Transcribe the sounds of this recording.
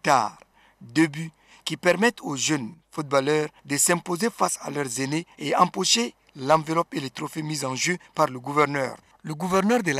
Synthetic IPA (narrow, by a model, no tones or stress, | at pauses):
t̪a̰ʁ | d̪eby | kipɛʁmɛt̪ʰoʒønfut̪̚balœːʁd̪əsɛ̃pozefasa̰lœʁzeneeɑ̃poʃe | lɑ̃velɔpelet̪ʁofemizɑ̃ʒøpaʁləɡuvɛʁnœ̰ːʁ | ləɡuvɛʁnœːʁd̪əl